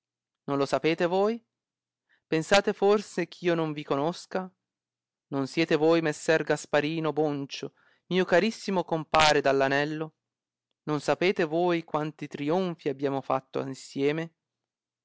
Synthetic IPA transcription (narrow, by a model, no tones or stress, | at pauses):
nonlosapeːt̪evoːj | pensaːt̪eforsekʰiːonoɱvikonoska | nonsjɛːt̪evoːjmesːɛrɡaspaɾiːnobont͡ʃo | miːokaɾisːimokompaːɾed̪alːanɛlːo | nonsapeːt̪evoːjkwant̪it̪ɾioɱfiabːjaːmofa̰t̪ːoainsjɛːme